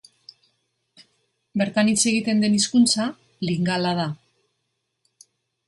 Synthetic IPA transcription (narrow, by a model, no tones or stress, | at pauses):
be̞ɾt̪anit͡se̞ɣ̞it̪e̞nd̪e̞niskunt͡sa | liŋɡalað̞a